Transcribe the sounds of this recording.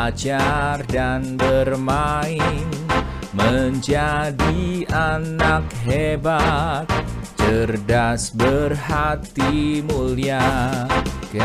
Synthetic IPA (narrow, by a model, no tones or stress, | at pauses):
d͡ʒardanbərmaɪn | məɲd͡ʒadianak̚ɦebat̪̚ | t͡ʃərdasbərhat̪imulia | k